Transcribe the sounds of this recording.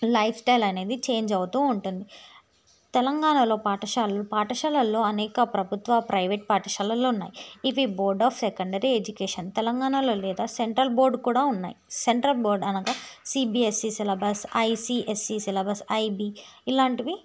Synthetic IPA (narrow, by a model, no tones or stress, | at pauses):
lɐjpʰsʈɐjlɐne̞ːd̪it͡ʃe̞ːɲd͡ʒɐʋut̪uːɳʈund̪i | t̪ɛlɐŋɡaːɳɐlo̞ːpaːʈɐʃaːlɐlupaːʈɐʃaːlɐlːo̞ːɐnɛːkɐpɾɐbʱut̪ʋɐpɾɐjʋeʈ̚paːʈɐʃaːlɐlounːa̰ːjiiʋiboːɾɖaːpsekɐɳɖɐɾied͡ʒukeːʂɐnt̪ɛlɐŋɡaːɳɐlo̞ːlɛːd̪aːseɳʈɾɐlbo̞ːɾɖkuːɽaːunːa̰ːjiseɳʈɾɐlboːɾɖɐnɐɡɐsiːbiːesːisɛlɐbɐsɐjsiːʔesːisɛlɐbɐsɐjbiːilaːɳʈiʋi